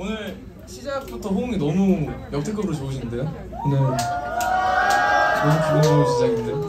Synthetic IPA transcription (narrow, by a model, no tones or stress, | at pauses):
onɯɭ | ɕʰid͡ʑak̚butʰʌɸoŋinʌmujʌtʰek͈ʰʌbɯɾot͡ɕoɯɕ̬ʰinnde̞jo | ne | nomukɯɾʌnoɕid͡ʑaɡindeo